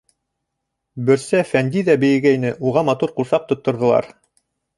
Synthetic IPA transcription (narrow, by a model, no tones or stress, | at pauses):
bɵ̆ɾsæfænd̪iðæbɘ̆jɘ̆ɡæjnɘʔuʁɑmɑt̪uɾqusɑq̚t̪ŏt̪ːŏɾðɤ̆lˠɑ̰ɾ